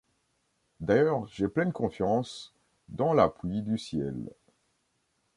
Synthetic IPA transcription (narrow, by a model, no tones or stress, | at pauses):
d̪ajœʁʒeplɛnkɔ̃fjɑ̃s | d̪ɑ̃laplɥid̪ysjɛ̰l